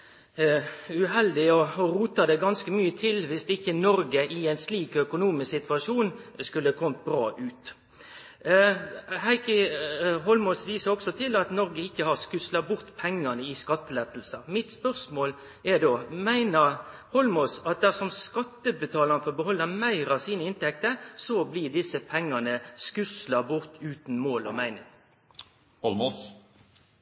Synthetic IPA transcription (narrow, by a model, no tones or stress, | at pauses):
ʉɦɛld̪ɪɔɔɾuːt̪ɑd̪ɛɡɑnskəmyːət̪ʰɪlʋɪst̪ɪçənɔɾɡəʔɪæɪnsliːkœkʊnuːmɪssɪt̪ʋɑʂuːnskʉləkʰɔmt̪̚bɾɑːʔʉːt̪ | hæɪkəɦɔlmɔsʋiːsəɾɔksɔt̪ʰɪlɑt̪nɔɾɡəɪçːəhɑʁskʉslɑbʊɾt̪pʰɛŋːɑnəɪskɑt̪ːəlɛt̪ːl̩səmɪt̪spœʁsmoːl | ɛʁd̪oːmæɪnəʁhɔlmoːsɑt̪̚d̪æʁsɔmskɑt̪ːəbət̪ʰɑːlɑnəfɔʁbəhɔlːəmæɪɾɑʋsiːnəɪnt̪ɛk̚t̪əɾsɔblɪd̪ɪsːəpʰɛŋːɑnəskʉslɑbʊʁt̪ʉːt̪n̩moːlɔ̰mæɪnɪ̰ŋ